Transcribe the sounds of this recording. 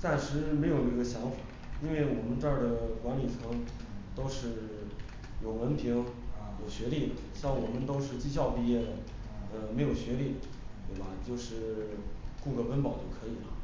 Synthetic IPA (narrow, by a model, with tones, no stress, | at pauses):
t̪a˥˩nʂɻ̩˧˥me˧˥ɪjo˨˩ʊnə˥˩ɡə˩ɕjɑ˧˥ŋfa˨˩˦ | i˥nwe˥˩ɪwɔ˨˩mə˦nʈ͡ʂa˥˩d̪ə˩kwa˧˥nli˨˩ʈ͡ʂʰɤ˧˥ŋt̪o˥ʊʂɻ̩˥˩ | jo˨˩ʊwə˧˥npʰi˧˥ŋjo˨˩ʊɕɥɛ˧˥li˥˩ə˩ɕjɑ˥˩ŋwɔ˨˩mə˦nt̪o˥ʊʂ̬ɻ̩˥˧t͡ɕi˥˧ɕ̬jɑ˥˧ʊpi˥˧jɛ˥˩ | ə˧me˧˥ɪjo˨˩ʊɕɥɛ˧˥li˥˩ | t̪we˥˩bɐ˩t͡ɕjo˥˧ʊʂɻ̩˥˩ | ku˥˩kɤ˥˩fə˥npɑ˨˩ʊt͡ɕjo˥˩ʊkʰɤ˧˥i˨˩lə̰˦